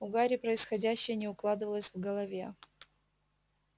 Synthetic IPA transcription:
ʊɡaɾʲɪpɾəɪsxɐdʲæɕːɪjənʲɪʊklˠad̪ɨvəlˠəsʲvɡəlˠɐvʲe

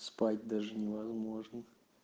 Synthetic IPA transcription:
spatʲd̪aʐɨnʲɪvɐzmo̞ʐnə

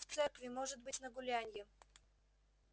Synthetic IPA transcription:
t̪sɛɾkvimɔʒɛd̪̚bɨt̪ʲnɐɡʊlʲanʲijɛ

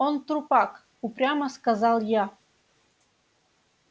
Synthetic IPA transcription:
ont̪ɾupɑk | upɾʲaməskazɑlˠja

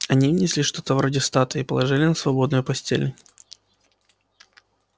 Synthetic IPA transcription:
ɐnʲivnʲɪsʲlʲiʂt̪o̞t̪əvɾodʲɪst̪at̪əipəlˠɐʐɨlʲɪnəsvɐbo̞d̪nʊjʊpɐsʲtʲḛlʲnʊ

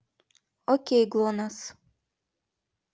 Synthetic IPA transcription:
okʲejɡlˠonas

